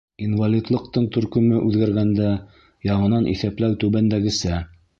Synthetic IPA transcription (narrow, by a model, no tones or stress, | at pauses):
invalʲit̪lˠɤ̆q̚t̪ɤɴt̪ɵ̆ɾkɵ̆mɘʔʉðɡæɾɡænd̪æ | jɑɴɤ̆nɑnʔḭθæplæwt̪ʉβænd̪æɡɘ̆sæ